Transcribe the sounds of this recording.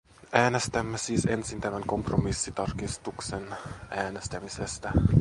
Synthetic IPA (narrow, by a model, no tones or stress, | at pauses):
æːnest̪æmːæsiːsensint̪æmæŋko̞mpromisːit̪ɑrkist̪uksenʔæːne̞st̪æmisest̪æ